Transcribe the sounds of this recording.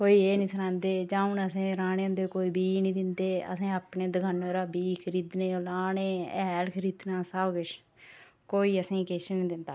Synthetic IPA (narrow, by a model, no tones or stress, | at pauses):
koːiːeːnĩːsənãːnd̪eːd͡ʒãːʊnəsẽːɾaːneːʊ̃nd̪eːkoːiːbiːniːd̪ɪnd̪eːə̰sẽːaːpneːd̪əɡʰənoɾaːbiːkʰəɾiːd̪neːolaːnẽːɛ̰lkʰəɾiːd̪nãːsabɡɪʃ | koːiːəsẽːkeːʃəniːd̪ɪnd̪aː